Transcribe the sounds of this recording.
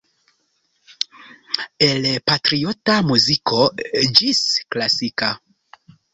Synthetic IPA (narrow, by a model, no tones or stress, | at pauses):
elpatɾiotamuzikod͡ʒisklasika